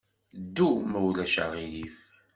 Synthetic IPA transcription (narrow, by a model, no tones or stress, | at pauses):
d̪ːumæwlæʃa̰ʁilif